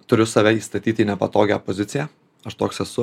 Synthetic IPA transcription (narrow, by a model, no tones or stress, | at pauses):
t̪ʊɾʲʊsɐʋʲɛiːst̪ɐt̪ʲiːt̪ʲinʲɛpɐt̪oːɡʲæpozʲɪt̪sʲɪjæ | ɐʃt̪oːksɛsʊ